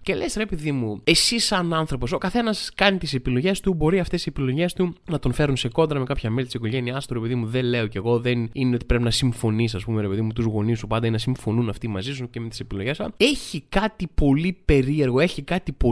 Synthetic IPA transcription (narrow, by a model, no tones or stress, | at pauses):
ce̞le̞̰sɾe̞piðimue̞sisɐnɐnθɾo̞po̞so̞kɐθe̞nɐskɐnit̪ise̞pilo̞ʝe̞st̪ubo̞ɾiɐft̪e̞sisepilo̞ʝe̞st̪unɐt̪o̞nfe̞ɾunse̞ko̞nd̪ɾɐme̞kɐpçɐmelit̪isiko̞ʝeniɐst̪uɾepeðimuðele̞o̞ce̞ɣo̞ðenineo̞t̪i̥pɾe̞pinɐsiɱfo̞nisɐspumeɾe̞pe̞ðimut̪uzɣo̞nisupɐnd̪ɐinnɐsiɱfo̞nunɐft̪imɐzisuceme̞t̪i̥se̞pilo̞ʝesɐ̰e̞çikɐt̪ipo̞lipe̞ɾie̞ɾɣo̞e̞çikɐt̪ipo